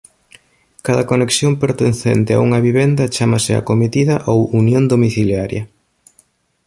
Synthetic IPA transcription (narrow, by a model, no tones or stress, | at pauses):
kaðɐkoneksjompeɾt̪enθɛ̰nt̪ɪa̰uŋɐβiβend̪ɐt͡ʃamɐsɪa̰komit̪iðɐʔowunjõnd̪omiθiljaɾjɐ